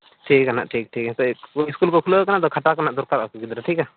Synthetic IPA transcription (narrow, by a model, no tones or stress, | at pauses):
ʈʰikːana̰ʔʈʰik̚ʈʰikt̪ɔiskulkɔkʰulokanaʔd̪ɔkʰaʈakanaʔd̪ɔɾkaɾɔkɔɡid̪ɾaʈʰika